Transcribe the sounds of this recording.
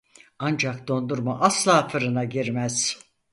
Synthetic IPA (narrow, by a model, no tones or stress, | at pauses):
and͡ʒakd̪o̞nd̪uɾmaʔaslˠaːfɯɾɯnaɟiɾmæz̥